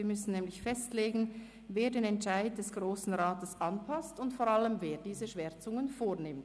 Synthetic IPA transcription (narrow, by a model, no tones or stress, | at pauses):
iːɐmʏsn̩nɛːmlɪçfɛstleːɡn̩ | veːɐdeːnɛntʃaɪd̚dɛsɡ̥ʁoːsn̩ʁaːtəsʔɑnpʰastʊntfoːɾʁaləmveːdiːzəʃʋɛʁt͡sʊŋənfoːɐnɪmt